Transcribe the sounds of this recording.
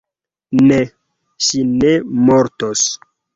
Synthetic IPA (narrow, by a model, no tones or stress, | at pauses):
ne | ʃinemoɾtos